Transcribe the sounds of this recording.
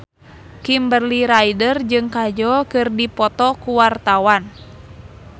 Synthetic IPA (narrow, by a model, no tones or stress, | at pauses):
kimbərliɾajdərd͡ʒɨŋkad͡ʒɔkɨrdipɔt̪ɔkuwart̪awan